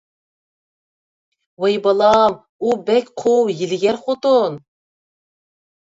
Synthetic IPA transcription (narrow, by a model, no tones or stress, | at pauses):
wejbɑlˠɑm | ubɛkʲqʰuwjilɡʲæɾχot̪on